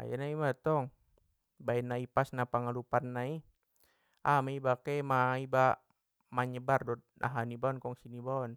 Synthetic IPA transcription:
a̰janaimat̪ɔŋ | baɛnːaipasnapaŋalupanːai | amaibakɛmaiba | maɲəbardɔd̪̚na̰ɦanibaɔnkɔŋsinibaɔn

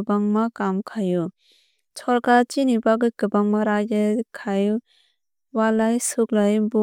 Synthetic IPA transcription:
baŋmakamkʰaju | t͡ʃʰɔlkat͡ʃinibaɡɯkɯbaŋmaɾajɯkʰaj | walajsuk̚lajbɔ

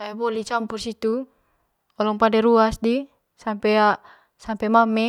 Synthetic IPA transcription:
abɔlit͡ʃampursit̪u | ɔlɔŋpadɛɾuasdi | sampɛa | sampɛmamɛ

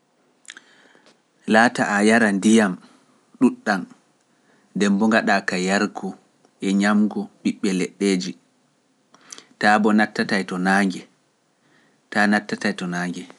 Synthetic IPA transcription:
laːtaʔajaɾandijam | ɗuɗːan | ndɛmbɔŋɡaɗakajaɾkʰɔ | ɛɲamɡɔɓiɓːɛlɛɗːeːd͡ʒi | tabɔnatːatajtɔnaŋɡɛ | tanatːatajtɔnaːŋɡɛ

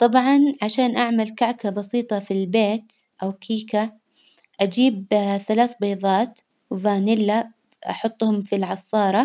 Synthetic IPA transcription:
t̪ˤɑbʕɑnʕaʃaːnʔaʕmalkaʕkabɑsiːt̪ˤɑfilbeːt̪ | ʔawkʰiːka | ʔad͡ʒiːb̚θalaːθbɑjðˤɑːt̪ | wvaːnɪlːa | ʔɑ̰ħʊt̪ˤːhʊmfilʕɑsˤːɑːɾˤɑ

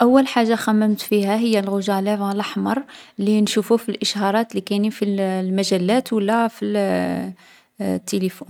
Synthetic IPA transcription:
ʔæwːəlħaʒːaxæmːəmt̪fiɦæɦəjːælɣʊʒælævɑləħmɑɾˤlinʃufufilʔəʃhɑɾˤɑt̪likænifillmæʒælːæt̪wəlːæfi | t̪ːelifun

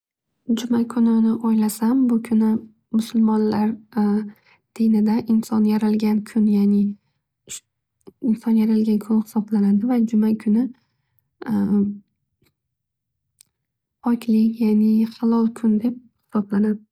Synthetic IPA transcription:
d͡ʒʊmakʰʊnɪnɪʔɒjlasambʊkʲʰʊnɪ | mʊsʊlˠmɒnlaɾ | d̪̥inɪd̪aʔɪnsɒnjaɾalɡʲankʰʊnjanɪ | ɪnsɒnjaɾalɡʲankʲʰʊnχɪ̥sɒblanad̪ɪvad͡ʒʊmakʰʊnɪ | ɒkʲʰlɪkʲjanɪχɑlˠɒlˠkʲʰʊnd̪e̞p̚ | hɪ̥sɒblanad̪ɪ

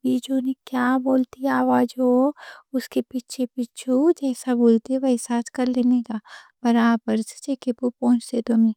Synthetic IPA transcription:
biːd͡ʒoːnekjaːboːlt̪iaːʋaːd͡ʒoʊskepiʃʰepit͡ʃʰud͡ʒɛːsaboːlt̪eʋɐisaːt̪kɐɾleːnek̪ab̥ɐɾaːbəɾssekepopõːnt͡ʃt̪ed̪omiː

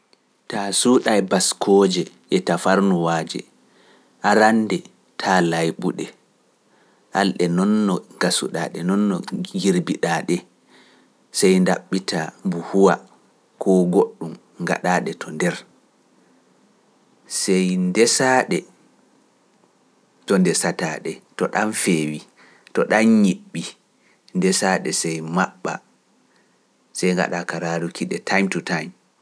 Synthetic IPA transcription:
tasuɗajbaskʰɔːd͡ʒɛʔɛtafaɾnuwaːd͡ʒɛ̰ | ʔaɾandɛ | tʰaːlajɓuɗɛ | ʔalɗɛnɔnːɔɡasṵɗa̰ːɗɛnɔnːɔɡiɾbiɗaːɗɛ | sɛjndaɓːitʰambuhuwa | kʰɔɡoɗːum | ŋɡa̰ɗaːɗɛtʰɔndɛɾ | sɛjndɛsaːɗɛ | tɔndɛsataːɗɛtɔɗanfeːwi | tɔɗanɲiɓːi | ndɛsaɗɛsɛjmaɓːa̰ | sɛjŋɡa̰ɗakaɾaɾukʰiɗɛtʰajmtutajm

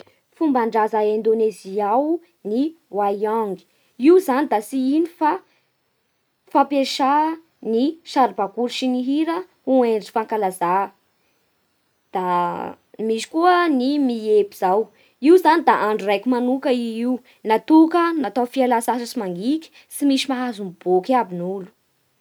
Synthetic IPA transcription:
fumbaɳɖ͡ʐazaend̪oneziaw | niwajaŋɡi̥ | iwzanid̪asiinifa | fapeʃa | niʃaɾibakuɾʃiniɦiɾə | ueɳɖ͡ʐi̥faŋkalaza | d̪̥a | miʃi̥kuənimiepiz̥aw | iwzanid̪aʔaɳɖ͡ʐurajkumanukəiiw | nat̪ukənat̪ofialasasəsimaŋɡikʲi̥ | simiʃimaɦazumb̥okʲabinulu̥

